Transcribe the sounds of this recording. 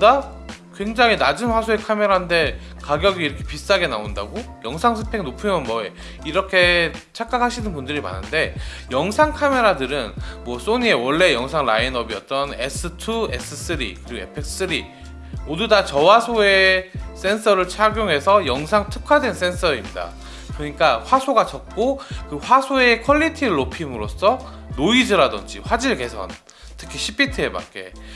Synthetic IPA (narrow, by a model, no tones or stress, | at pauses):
dakwe̞ŋd͡ʑaŋɦinad͡ʑɯnɸwasʰoe̞kʰame̞ɾande̞kaɡjʌɡiːɾʌkʰe̞̥pis͈aɡe̞naonda̰ɡojʌŋsʰaŋsʰɯpʰe̞ŋnopʰumʌnmʌe | iɾʌkʰe̞ | t͡ɕʰak͈akʰaɕʰinɯnpundɯɾima̰nːɯnde̞ | jʌŋsʰaŋkʰame̞ɾadɯɾɯnmwʌs͈oɲie̞wʌɭːe̞jʌŋsʰaŋɾa̰inʌbiʌt͈̚ʌnḛs͈ʰɯtʰue̞̰s͈ʰɯs͈ɯɾḭkɯɾiɡoḛpʰek̚ss͈ɯɾi | odɯdat͡ɕʌwasʰoe̞s͈e̞nsʰʌɾɯɭt͡ɕʰaɡjoŋɦe̞sʰʌjʌŋsʰaŋtʰɯ̥kʰadwe̞ns͈e̞nsʰʌɾimɲida̰ | kɾʌɲik͈aɸwasʰoɡat͡ɕʌp̚k͈okɯɸwasʰoe̞kʰʌʎːitʰiɾɭːopʰimɯɾos͈ʰʌ | noid͡ʑɯɾadʌnd͡ʑiɸwad͡ʑiɭɡe̞sʰʌ̰n | tʰɯkʰiɕʰipʰitʰɯe̞ba̰k͈e̞̰